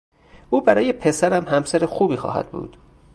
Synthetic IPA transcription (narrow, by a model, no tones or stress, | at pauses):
ʔuːbæɾɒːjepʰe̞sæɾæmhæmsæɾexuːbiːxɒ̰ːhæ̰d̪̥bṵːd̪̥